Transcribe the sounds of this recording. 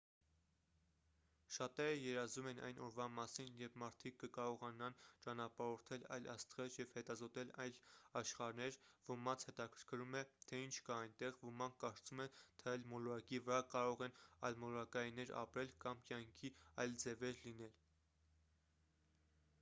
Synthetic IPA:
ʃɑt̪ɛɾəjɛɾɑzumɛnɑ̰jnʔɔɾvɑmɑsinjɛɾpʰmɑɾt̪ʰikːəkɑɾɔʁɑnɑnt͡ʃɑnɑpɑɾɔɾt̪ʰɛlɑ̰jlɑ̰st̪ʁɛɾjɛvhɛt̪ɑzɔt̪ɛlɑjlɑʃχɑɾnɛɾvəmɑt͡sʰhɛt̪ɑkʰəɾkʰəɾumɛt̪ʰɛint͡ʃʰkɑːjnt̪ɛʁvəmɑŋkʰːɑɾt͡sumɛt̪ʰɛɑjlmɔlɔɾɑkivəɾɑkɑɾɔʁɛnɑjlmɔlɔɾɑkɑjinɛɾɑ̰pɾɛlkɑmkjɑŋkʰiɑjld͡zɛvɛɾlinɛl

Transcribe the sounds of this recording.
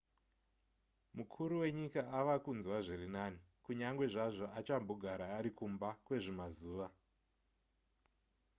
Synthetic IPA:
mukʰuɾuwe̞ɲikaaʋakunzwaʐirinani | kuɲaŋɡwe̞ʐaʐo̞ʔat͡ʃamboɡʱaɾaːɾikumbakwe̞ʐimazuːʋa

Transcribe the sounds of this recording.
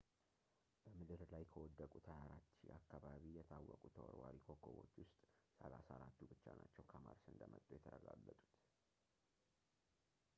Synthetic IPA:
b̥əmɨd̪ɨɾlajkʰəwɔd̪ːəkʼut̪ʰəjaɾat̪ːʃḭʔakːaβaβijɛt̪ʰawːɔkʼut̪ʰəwɔɾwaɾikʰokʰːoβo̞t͡ʃːwʊst̪ʼsəlasaɾat̪ːubɨt͡ʃːanat͡ʃːɛwkʰəmaɾsɨnd̪əmət̪ʼːojɛt̪ʰəɾəɡalːət̪ʼu̥t̪

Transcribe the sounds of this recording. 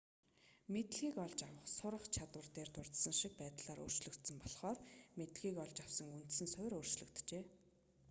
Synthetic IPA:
met̪̆ɮɣiːkɔɮt͡ɕawə̆χsʊɾə̆χt͡ɕʰat̪wə̆rt̪eːrt̪ʊr̥t̪sə̆ŋʃik̚pæːt̪ɮaːɾo̰ːr̥t͡ɕɮɵ̆kt̪sə̆mpɔɮχɔːrmet̪ɣiːkɔɮt͡ɕawsə̆ŋunt̪sɘ̆nsʊɾoːr̥t͡ɕɮɵ̆kt̪t͡ɕeː

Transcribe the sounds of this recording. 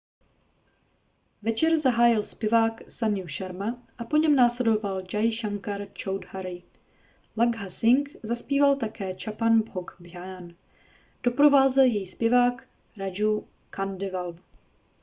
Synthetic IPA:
vɛt͡ʃɛɾzaɦaːjɪlspjɛvaːksanjuʃaɾmaʔapo̞ɲɛmnaːslɛdo̞vald͡ʒajʃaŋkaɾt͡ʃowdhaɾɪ | laɡɦasɪŋkzaspiːvalt̪akɛːt͡ʃapanboɡbjan | d̥o̞pɾo̞vaːzɛljɛjispjɛvaːk | ɾad͡ʒu | kandɪval

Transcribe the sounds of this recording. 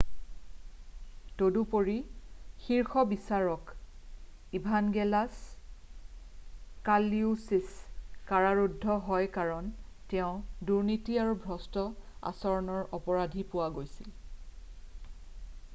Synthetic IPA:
todupoɹixiɹxɔbisaɹɔk | ibʱanɡɛlas | kaliusiskaɹaɹudʱːɔɦɔjkaɹɔn | tɛʊ̃duɹnitiaɹubʱɹɔstɔa̰sɔɹɔnɔɹɔpɔɹadʱipʊwaɡojsil

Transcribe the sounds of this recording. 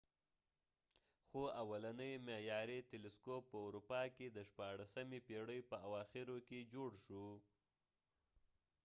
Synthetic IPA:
xoawalanəjmejɑɾet̪elɪskopːəuɾupɑked̪əʃpɑɽasamepeɽəjpəawɑxɪɾoked͡ʒoɽʃu

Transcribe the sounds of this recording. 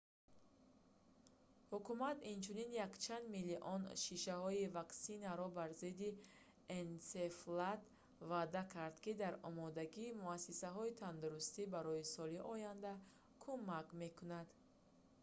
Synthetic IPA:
hukumat̪int͡ʃʰuninjakt͡ʃʰand̪miliʔɔnʃiʃahɔivaksinaɾɔbaɾzid̪i | enseflat̪ | vad̪akʰaɾd̪kid̪aɾɔmɔd̪aɡiːmuasisaɦɔit̪ʰand̪uɾust̪ibaɾɔisɔliʔɔjand̪a | kʰumakme̞kunad̪

